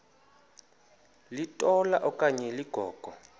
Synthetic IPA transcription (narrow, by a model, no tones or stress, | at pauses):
litʼɔlaʔɔkʼaɲɛliɡ̥ʱɔːɡ̥ʱɔ